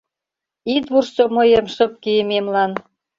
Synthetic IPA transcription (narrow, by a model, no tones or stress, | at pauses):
it̪βurʃt͡somɤ̆jə̆mʃə̆p̚kijəmemlɑn